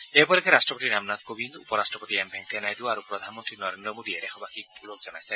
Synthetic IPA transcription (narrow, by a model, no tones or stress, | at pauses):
ebɔlɛkʰeɾasʈɹɔpoʈinamnat̪kobind̪ṵpɔɾastɹɔpotiɛmbʱɛŋtʰɛnajd̪uaɾupɾɔd̪ʱanmɔnt̪ɾinɔɾend̪ɾɔmod̪ieɾɛxɔbakikulokzɔnajsɛ